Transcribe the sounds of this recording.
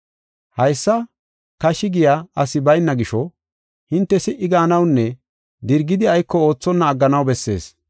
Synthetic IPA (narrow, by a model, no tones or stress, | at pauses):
hɐjsːɐ | kɐʃɪɡɪjaːɐsɪbɐjnːɐɡɪʃɔ | hɪnt̪ːɛsɪʔːɪɡaːnɐwnːɛ | d̪ɪɾɡɪd̪ɪɐjkːɔo̞ːt͡sːɔnːɐːɡːɐnɐwbɛsːe̞̰ːs